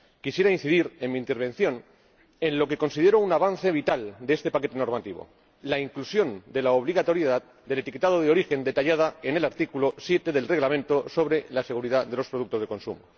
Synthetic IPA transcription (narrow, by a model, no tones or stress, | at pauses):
kisje̞ɾainθiðiɾe̞nmĩːnt̪e̞ɾβ̞e̞n̟θjo̞n | e̞nlo̞ke̞ko̞nsiðe̞ɾo̞unaβan̟θe̞β̞it̪ald̪e̞est̪e̞pake̞t̪e̞no̞ɾmat̪iβo̰ | laiŋklusjo̞nd̪e̞laoβliɣat̪o̞ɾjeðað | d̪e̞le̞t̪ike̞t̪aðo̞ðeo̞ɾixe̞nd̪e̞t̪aʝað̞ae̞ne̞laɾt̪ikulo̞sje̞t̪e̞ðe̞lre̞ɣlamẽ̞nt̪o̞so̞βɾe̞lase̞ɣ̞uɾiðaðe̞lo̞spɾoðuk̚t̪o̞zðeko̞nsṵmo